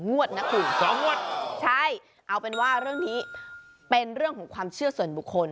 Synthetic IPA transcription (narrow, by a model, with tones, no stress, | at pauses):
ŋu˥˩ət̪̚na˦˥kʰɯː˧˩sɔ˨˦ŋu˥˩ət̪̚t͡ɕʰa˥˩j | ʔa˧wpe˧nwaː˥˩ɾɯ˥˩əŋniː˦˥ | pe˧nɾɯ˥˩əŋkʰɔː˩˦ŋkʰwaː˧mt͡ɕʰɯ˥˩əsu˨˩ənbu˨˩kʰːo˧n